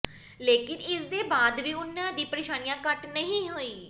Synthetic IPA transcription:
leːkɪnɪsd̪eːbaːd̪biːʊnːad̪iːpɾeʃaːnijãkəʈnəɦĩɦoːiː

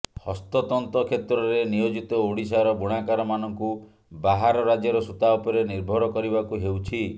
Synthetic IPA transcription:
hɔst̪ɔt̪ɔnt̪ɔkʰet̪ɾɔɾenijod͡ʒit̪ɔoɽisaɾɔbuɽ̃akaɾɔmanɔŋku | baɦaɾɔɾad͡ʒjɔɾɔsut̪aɔpɔɾeniɾbʱɔɾɔkɔɾibakuɦewt͡ʃʰi

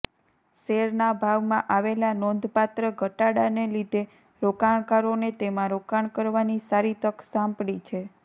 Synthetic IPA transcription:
seɾnabʱaʋmãʔaʋelanɔnd̪ʱpat̪ɾəɡʱəʈaɽanelid̪ʱe | ɾokaɳ̃kaɾonet̪emãɾokaɳkəɾʋanisaɾit̪əksãmpɽit͡ʃʰe

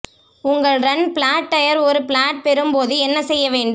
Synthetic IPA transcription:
ʊŋɡɐɭɾɐnpɭaːʈːɐjɐɾɔɾɯpɭaːʈ̚pɛɾɯmpoːðɯɛnːɐsɛjːɐʋeːɳɖɯ

